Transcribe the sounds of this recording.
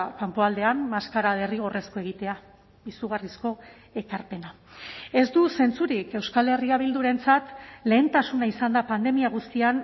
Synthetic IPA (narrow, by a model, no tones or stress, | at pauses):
kampoald̪e̞ammaskaɾaðeriɣ̞o̞re̞skoe̞ɣ̞it̪e̞a | bisuɣ̞arisko̞ | e̞kaɾpe̞na | e̞zd̪use̞nt͡suɾike̞wskale̞riaβ̞ild̪uɾe̞nt͡sat̪le̞ːnt̪asunaisand̪apand̪e̞miaɣ̞ust̪ian